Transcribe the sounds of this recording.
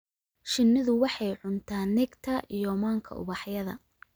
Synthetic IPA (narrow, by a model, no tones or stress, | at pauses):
ʃɪnːɪðʊwɑħɑjʕʊnt̪ʰaːnɪɡt̪ʰɐʔijɔmaːŋkʰɐ̰ʊ̰βɑħjɐðɐ̰